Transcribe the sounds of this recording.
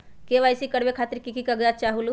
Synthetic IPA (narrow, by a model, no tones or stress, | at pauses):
keʋaːjsikəɽbekʰaːt̪əɾkikikəɡd̪at͡ʃaːɦulu